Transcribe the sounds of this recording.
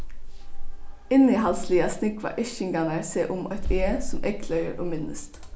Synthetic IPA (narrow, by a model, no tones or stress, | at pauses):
ɪniːhɑlsliːɑsnɪkʰʋɑ̰ːʔɪçəŋɡɑŋæɪseːʔʊmʔɑɪt̪ʰeːsɔmʔɛkʰlœʏəɾʔoːmɪnəst̪